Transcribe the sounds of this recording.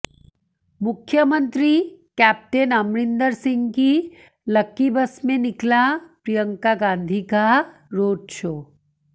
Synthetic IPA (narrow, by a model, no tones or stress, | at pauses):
mʊkʰjəmə̃nt̪ɾikɛːp̚ʈeːnɐmɽɪ̃nd̪əɾsɪ̃ŋɡki | lɐkːibəsmẽnɪklapɾijəŋkaɡãːnd̪ʱikaɾoːdt͡ʃʰoː